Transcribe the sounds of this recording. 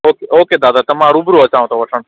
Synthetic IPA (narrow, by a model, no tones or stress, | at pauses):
okeʔoːked̪aːd̪at̪əmãɾubɾuət͡ʃãʋ̃t̪oʋəʈʰəɳ